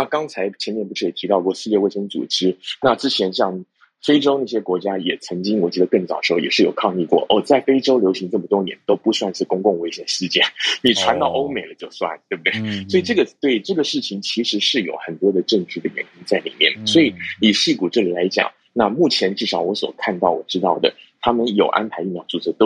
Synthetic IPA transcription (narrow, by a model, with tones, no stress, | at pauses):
na˥˩kɑ˥ŋt͡sʰa˧˥ɪt͡ɕʰjɛ˧˥nmjɛ˥˧npu˥˩ʂɻ̩˥˩i˨˩t̪ʰi˧˥t̪ɑ˥˧ʊkwɔ˥˩ʂɹ̩˥˧jɛ˥˧we˥˩ɪʂə˥ŋt͡sṵ˨˩ʈ͡ʂɻ̩˥na˥˧ʈ͡ʂɻ̩˥t͡ɕʰjɛ˧˥nɕjɑ˥˩ŋ | fe˥ɪʈ͡ʂo˥ʊna˥˩ɕjɛ˥kwɔ˧˥t͡ɕja˥jɛ˨˩t͡sʰɤ˧˥ŋt͡ɕi˥ŋwɔ˨˩t͡ɕɥɛ˧˥ə˧kɤ˥˩ŋt͡sɑ˨˩ʂ̩˧˥˩jɛ̰˨˩ʂɻ̩˥˩jo˨˩ʊkʰɑ˥˧ŋi˥˧kwɔ̰˥˩ʔɔ˥˩t͡sa˥˩ɪfe˥ɪʈ͡ʂo˥ʊljo˧˥ʊɕi˧˥ŋʈ͡ʂɤ˥˩mə˩t̪wʊ˥ŋnjɛ̰˧˥nt̪o˥ʊpu˥˧swa˥˧nʂɻ̩˥˩kʊ˥ŋkʊ˥˩ŋwe˥ɪɕjɛ˨˩nʂɻ̩˥˧t͡ɕjɛ˥˩ni˨˩ʈ͡ʂʰwa˧˥nt̪ɑ˥˧ʊo˥ʊme˨˩ɪlə˦t͡ɕjo˥˧ʊswa̰˥˩nt̪we˥˩b̚d̪we˥˩swɔ˧˥i˨˩ʈ͡ʂɤ˥˩ɡə˩t̪we˥˩ɪʈ͡ʂɤ˥˩ɡə˩ʂɻ̩˥˩t͡ɕʰi˨˩ŋt͡ɕʰi˧˥ʂɻ̩˧˥ʂɻ̩˥˩jo˨˧˩ʊxə˨˩nt̪wɔ˥d̪ə˨ʈ͡ʂɤ˥˧ŋt͡ɕɻ̩y˥˩d̪ə˩jɛ˧˥nko˥ŋt͡sa˥˩ɪlḭ˨˩mjɛ̰˥˩nswɔ˧˥i˨˩ni˨˩ɕi˥˩ku˨˩ʈ͡ʂɤ˥˩li˨˩la˧˥ɪt͡ɕjɑ̰˨˩˦ŋ | na˥˧mu˥˩t͡ɕʰjɛ˧˥nʈ͡ʂɻ̩˥˩ʂɑ˧˥ʊwɔ˧˥swɔ̰˨˩kʰa˥˧nt̪ɑ˥˩ʊwɔ̰˨˩ʈ͡ʂɻ̩˥t̪ɑ˥˩ʊd̪ə̰˩ | t̪ʰa˥mə˨njo˨˩ʊʔa̰˥npʰa˧˥ɪi˥˩mjɑ˧˥ʊt͡su˥˧t͡sʰt̪